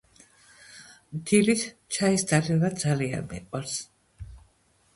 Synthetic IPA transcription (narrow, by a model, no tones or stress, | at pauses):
md̪ilit̪ʰt͡ʃʰaisd̪alivad̪zalia̰nmɛ̰qʼwaɾs